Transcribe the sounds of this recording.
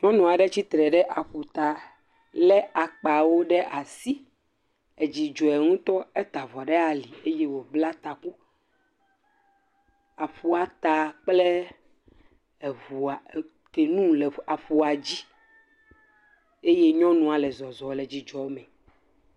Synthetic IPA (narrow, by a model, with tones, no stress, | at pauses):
ɲɔ̃˦nũ˨a˨ɖɛ˦t͡ɕi˦t̪ɾɛ˨ɖɛ˦ʔa˨ɸu˨t̪a˨ | lɛ˦a˨k͡pa˨wo˦ɖɛ˦ʔa˨si˦ | ɛ˨d͡ʑi˨d͡ʒɔ˨ɛ˨ŋũ˦t̪ɔ˦e˦t̪a˨vɔ˨ɖɛ˦a˨li˨e˦je˦wo˨bla˦t̪a˨ku˦ | a˨ɸu˦a˨t̪a˨k͡ple˦˨ | vu˨a˨ | t̪e˨nũ˦le˨a˨ɸu˨a˨d͡ʑi˦ | e˦je˦ɲɔ̃˦nũ˨a˨lɛ˨zɔ˨zɔ˨lɛ˨d͡ʑi˨d͡ʒɔ˨o˦mɛ̃˨